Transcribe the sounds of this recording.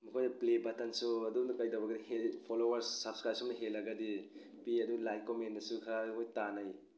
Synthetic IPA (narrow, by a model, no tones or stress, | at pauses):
mukʰojnɐplebɐtɐnsuɐdumdɐkajdɐwbɐɡɐdihelpʰolowɐɾssap̚skɾajpsumnɐɦelːɐɡɐdi | piɐduɡlajkomendɐsukʰaukʰojtanaj